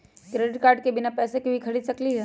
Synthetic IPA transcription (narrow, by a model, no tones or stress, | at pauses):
kɾeːɖɪʈ̚kaːɾɖ̚kebɪnapɛːsekebʱikʰɐɽid̪sɐkliɦɛː